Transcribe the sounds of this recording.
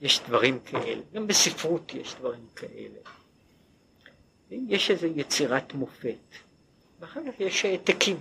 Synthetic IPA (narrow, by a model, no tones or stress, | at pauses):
jeʃd̪vaʁimkʰaʔe̞̰leɡambesifʁutjeʃd̪vaʁimkʰaʔe̞̰le̞ | vejeʃezejet͡siʁatmo̞fe̞t | veaχaʁkaχjeʃet̪akʰim